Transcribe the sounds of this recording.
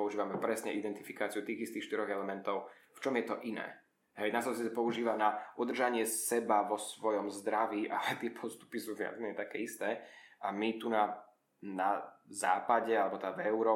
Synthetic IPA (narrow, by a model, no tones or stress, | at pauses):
ɔuʒiːʋamɛpɾɛsɲɛʔid̪ɛnt̪ifikaːt͡siut̪iːɣist̪iːxʃt̪iɾɔɣɛlɛmɛnt̪ɔʊft͡ʃɔmjɛt̪ɔʔinɛ̰ː | ɦɛjnasɔsit͡sɛpɔuʒiːʋanaud̪r̩ʒaɲɪɛsɛbaʋɔsʋɔjɔmzd̪ɾaʋiːʔa̰lɛt̪ɪɛpʰɔst̪u̥pisuːvɪa̰zmɛɲɛt̪akɛ̰ːist̪ɛːamit̪una | naza̰ːpaɟɛalɛbɔt̪ɛavɛʊɾɔː